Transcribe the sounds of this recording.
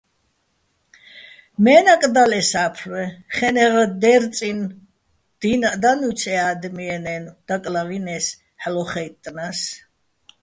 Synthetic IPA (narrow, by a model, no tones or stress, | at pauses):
mɛːnakʼd̪alɛsapʰɾwɛχɛnɛʁd̪ɛɾt͡sʼin | d̪̥inad̪anut͡sʰɛad̪miɛnɛnud̪̥akʼlavinɛs | ħlɔχɛjt̪ʼːnas